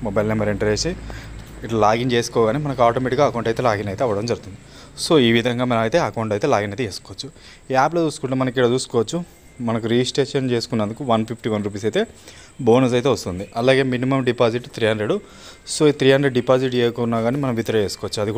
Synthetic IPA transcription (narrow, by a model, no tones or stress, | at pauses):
mɔbɐjlnembɐɾeɳʈɐɾeːsi | iʈlɐlaːɡiŋt͡ʃe̞ːsu̥kɔːɐɡaːniːmɐnɐkuaːʈoːmeʈikɡaːkɐwuɳʈɐjt̪elaːɡinɐjt̪e̞ːɐʋɐɽɐmd͡ʒɐɾut̪und̪i | soːiːʋid̪ʱɐŋɡaːmɐnɐmɐjt̪e̞ːɐkɐuɳʈɐjt̪e̞ːlaːɡinɐjt̪eeːsu̥kɔʋɐt͡ʃːu | aːploːt͡ʃuːsu̥kuɳʈemɐnɐkilɐt͡ʃuːsu̥kɔːʋɐt͡ʃːu | mɐnɐkuɾid͡ʒisʈɾe̞ːʂɐnt͡ʃe̞ːsukunːɐnd̪ukuʋɐnpʰipʰʈiʋɐnɾup̬iːs̬ɐjt̪e̞ː | bo̞ːnus̬ɐjt̪e̞ːʋɐst̪und̪iɐlaːɡe̞ːminimɐmɖipaːsiʈt̪ɾijanɾeɽu | soːit̪ɾijanɾeɖɖipaːsiʈ̬t͡ʃeːkounːaːɡaːniːmɐnɐ̃mʋit̪ɐɾɐe̞ːsu̥kɔːʋɐt͡ʃːuɐd̪ikː